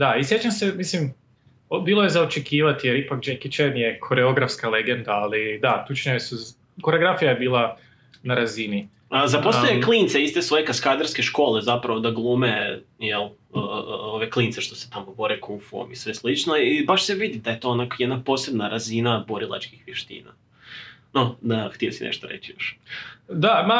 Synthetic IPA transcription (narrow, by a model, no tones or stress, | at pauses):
d̪aisjet͡ʃamsemislim | biːlˠojezaot͡ʃekiːʋat̪ijeɾipakd͡ʒekit͡ʃenjekʰo̞ɾeo̞ɡɾafskaleɡend̪aːlid̪at̪ut͡ʃɲaesu | koɾeoɡɾafijajebiːlˠa | naɾazini | azaposejeklˠint̪seist̪e̞sʋo̞je̞kaskaːd̪aɾske̞ʃko̞ːle̞zapɾaʋo̞d̪aɡlˠumejelˠ | oʋe̞klˠiːnt̪se̞ʃt̪o̞set̪amobo̞ɾekʰufuo̰misʋe̞slit͡ʃno̞ibaʃse̞ʋid̪id̪ajet̪o̞ːonakojed̪napo̞ːse̞bnaɾazinabo̞ɾilˠa̰t͡ʃkixʋjeʃt̪ḭːna̰ | nod̪axt̪ijosinʔḛʃt̪oɾḛt͡ɕijo̞̰ʃ | d̪ama